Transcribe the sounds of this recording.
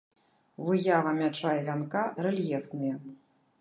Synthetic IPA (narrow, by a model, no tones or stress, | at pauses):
vɨjavɐmʲat͡ʂajɛvʲankarɛlʲjɛfnɨjɛ